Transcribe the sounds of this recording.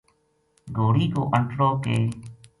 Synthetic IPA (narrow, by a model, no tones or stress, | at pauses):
ɡʱoːɽiːko̰ːʔəɳʈɾoːkḛː